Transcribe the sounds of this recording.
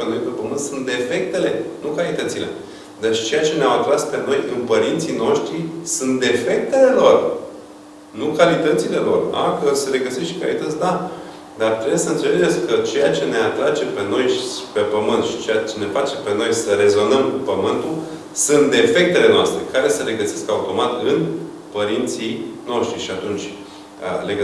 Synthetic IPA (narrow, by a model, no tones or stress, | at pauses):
eno̞jpe̞pəmɨnt̪sunt̪d̪e̞fe̞k̚t̪e̞le̞nukalit̪ət̪sile̞̰ | d̪ait͡ʃe̞jat͡ʃe̞neawat̪ɾaspe̞no̞jʔɨnpəɾint̪sino̞ʃt̪ɾisunt̪̚d̪efe̞k̚t̪e̞le̞lo̞r | nukalit̪ət̪sile̞lo̞̰ra̰kəse̞ɾe̞ɡəseʃt̪ka̰lḭt̪ət̪sʲd̪a | d̪art̪ɾebjesəɨnt̪seled͡ʒet̪skət͡ʃe̞jat͡ʃe̞ne̞at̪ɾat͡ʃe̞pe̞no̞jʃipe̞pəmɨnt̪ʃi̥t͡ʃejat͡ʃe̞ne̞fat͡ʃe̞pe̞no̞jsəre̞zo̞nəmkupəmɨnt̪u | sunt̪̚d̪efe̞k̚t̪e̞le̞noast̪ɾe̞kaɾe̞səle̞ɡəseskaut̪o̞mat̪ɨn | pəɾint̪sino̞ʃt̪ɾiʃiat̪unt͡ʃʲ | əleɡ